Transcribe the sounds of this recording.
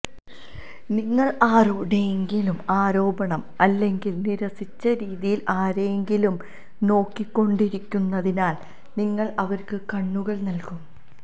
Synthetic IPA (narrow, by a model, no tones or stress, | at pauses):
niŋːɐɭaːɾoːɖeŋɡilumaːɾo̞ːbɐɳɐmɐlːe̞ŋɡilniɾɐsit͡ɕːɐɾiːðijilʔaːɾeŋɡilum | no̞ːkːikːo̞ɳɖiɾikʲːunːɐðinaːl | niŋːɐɭɐʋɐrkɨkɐɳːuɣɐɭnɐlkum